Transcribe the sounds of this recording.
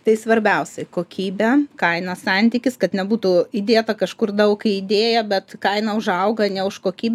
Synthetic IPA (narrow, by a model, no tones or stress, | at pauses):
t̪ɐɪsʋɐɾʲbʲɛʊsʲɛɪkoːkʲiːbʲɛkɐɪnɐsɑnʲt̪ʲiːkʲɪskɐt̪nʲɛbuːt̪uid̪ʲeːt̪ɐkɐʃkʊrd̪ɐʊkɪɪd̪ʲeːjɛbʲɛt̪kɐɪnɐʊʒɐʊɡɐnʲɛʊʃkoːkʲiːbʲ